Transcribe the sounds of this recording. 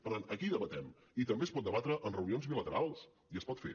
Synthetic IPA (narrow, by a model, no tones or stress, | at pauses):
pəɾt̪anəkiðəβət̪ɛm | it̪əmbespɔt̪̚d̪əβat̪ɾəʔənrəunionzβilət̪əɾalˠs | iəspɔt̪fḛ